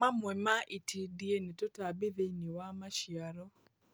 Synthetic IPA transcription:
mamwɛmaʔitʰidienetotabeðeiniwamaʃjaɾɔ

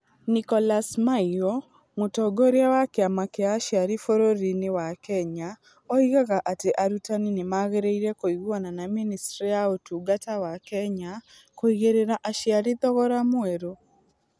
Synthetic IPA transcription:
nikɔlasmaiɔ | motɔɡoɾeawakeamakeaːʃiaɾifoɾoɾinewakɛɲa | ɔiɣaɣaʔateʔaɾutaninemaɣeɾeiɾɛkoiɣwananaministɾijaotuːɡatawakɛɲa | koiɣeɾeɾaʔaʃjaɾiðɔɣɔɾamwɛɾo

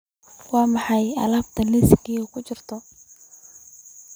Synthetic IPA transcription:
wɑːmɑħɑjɐ̰laːb̚t̪ʰɐlisɡiːukʰʊt͡ʃɪrt̪ʰɔ

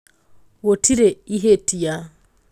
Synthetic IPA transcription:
wotʰiɾeiɦetija

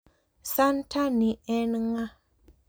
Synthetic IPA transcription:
santʰaniɛnŋa

